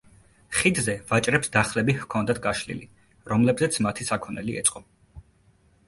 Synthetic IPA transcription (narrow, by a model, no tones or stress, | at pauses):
χid̪zɛvat͡ʃʼɾɛpsd̪aχlɛbihkʰɔnd̪at̪ʰɡaʃlḭlḭ | ɾɔmlɛbzɛt̪sʰmat̪ʰisakʰɔnɛliɛt̪sʼqʼɔ